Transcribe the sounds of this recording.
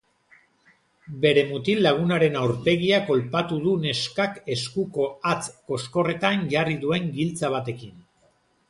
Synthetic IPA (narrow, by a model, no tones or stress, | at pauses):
be̞ɾe̞mut̪ilaɣ̞unaɾe̞nawɾpe̞ɣiako̞lpat̪uðune̞skake̞skuko̞at͡sko̞sko̞re̞t̪anʝariðue̞ŋɡilt͡saβ̞at̪e̞kin